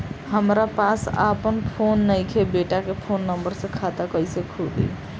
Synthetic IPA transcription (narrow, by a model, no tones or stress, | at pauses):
həmɾapasa̰pənpʰonːəjkʰebeʈakepʰonːəmbəɾsə̃kʰat̪akəjsekʰud̪ḭ